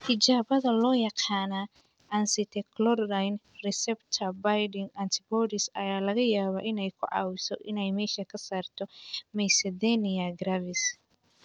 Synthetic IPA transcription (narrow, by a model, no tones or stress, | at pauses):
hɪt͡ʃaːβɐðɐlɔːjɑqɑːna | ʔɐnsɪt̪ʰɛkʰlɔrːajn | rɪsɛbt̪ʰɐbajɖɪŋɐnt̪ʰɪbɔːɾɪsɐjaːlɐɣɐjaːβɐːʔɪnɛjkʰʊʕɑ̰ːwɪsɔʔɪnɛjmɛːʃɐkʰɐsaːrt̪ʰɔmɛsɛðɛnɪɐɡɾavɪs